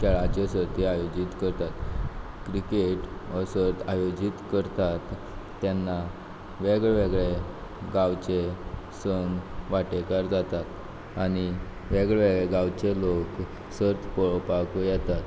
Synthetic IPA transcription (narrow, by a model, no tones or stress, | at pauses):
kʰɛɭat͡ɕesəɾt̪iajod͡ʑit̪kəɾt̪at̪ | kɾikeʈəsəɾt̪ajod͡ʑit̪kəɾt̪at̪ː | janːa | ʋeɡɭeʋeɡɭe | ɡawt͡ɕe | səŋɡʋaʈekaɾd͡zat̪at̪ | aɽ̃i | ʋeɡɭʋeɡɭeɡawt͡ɕelok | səɾt̪pəɭpakujɛt̪at̪